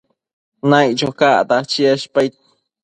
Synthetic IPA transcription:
najt͡ʃokaʔt̪at͡ʃiaʃpajt̪

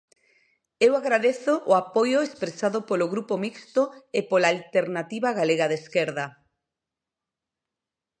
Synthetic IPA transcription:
ewaɣɾaðeθʊʔʊapojʊespɾesaðopoloɣɾupomikst̪oepolaːlt̪eɾnat̪iβaɣaleɣaðeskeɾða

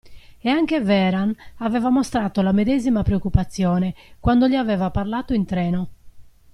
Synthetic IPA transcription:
ɛaŋk̟evɛːɾanavɛːvamost̪ɾaːt̪olamed̪ɛzimapɾeokːupat̪sːjɔːnɛkwand̪oʎiavɛːvaparlaːt̪oint̪ɾɛːno

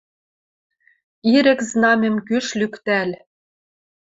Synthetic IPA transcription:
iɾɘ̆kznɑmʲɘ̆mkyʃlykt̪æl

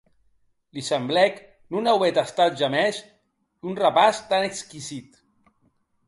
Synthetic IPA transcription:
lisəmblɛk | nunawɛt̪ast̪at̪̚ʒamɛz | dunrəpast̪anekskizit̪

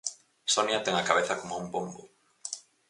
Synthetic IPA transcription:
sonjat̪ɛŋakaβeθɐkomouŋbombʊ

